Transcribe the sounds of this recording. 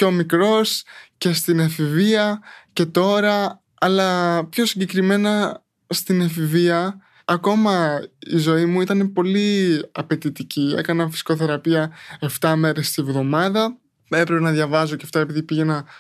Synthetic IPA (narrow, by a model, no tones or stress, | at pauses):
ceo̞mikɾo̞sce̞st̪inefiviɐce̞t̪o̞ɾɐ | ɐlɐpço̞siɲɟe̞kɾime̞nɐ | st̪inefiviɐː | ko̞mɐḭzo̞imuit̪ɐne̞po̞liɐpe̞t̪it̪icie̞̰kɐnɐfisi̥ko̞θe̞ɾɐpiɐe̞ft̪ɐme̞ɾe̞st̪ivðo̞mɐðɐ | e̞pɾepenɐðʝɐvɐzo̞ceft̪ɐe̞piðipiʝe̞nɐ